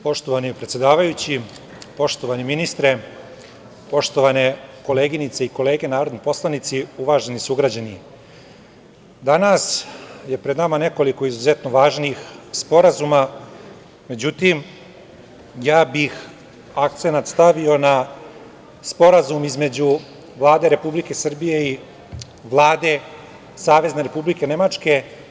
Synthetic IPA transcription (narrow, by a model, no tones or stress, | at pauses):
po̞ʃt̪oʋanipɾet̪sʲjed̪aːʋajut͡ɕi | po̞ʃt̪o̞ʋaniminist̪ɾe | po̞ʃt̪oʋane̞ko̞leːɡinit̪seiko̞le̞ːɡe̞naːɾo̞d̪nopo̞slˠanit̪siuʋaːʒe̞nisuɡɾad͡ʑani | d̪anasje̞pɾe̞d̪namane̞ko̞liko̞izuze̞t̪noʋaːʒniːxspo̞ɾazuma | me̞d͡ʑut̪im | jaːbix | akt̪senat̪st̪aʋio̞na | spo̞ɾazumizme̞d͡ʑu | ʋlˠaːd̪e̞ɾe̞publike̞sr̩bije̞i | ʋlˠaːd̪e̞ | saːʋe̞zneɾe̞publike̞ne̞mat͡ʂke̞